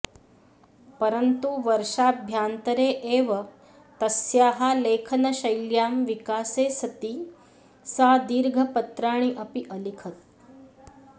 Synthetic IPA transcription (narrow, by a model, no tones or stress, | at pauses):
pəɾənt̪uʋɐɾʂaːbʱjaːnt̪ɐɾeːʔeːʋɐ | t̪ɐsjaːɦaleːkʰɐnɐʃɐjljaːmʋikaːseːsɐt̪iː | saːd̪iːɾɡʱɐpɐt̪ɾaːɳ̃iʔɐpiʔɐlikʰət̪̚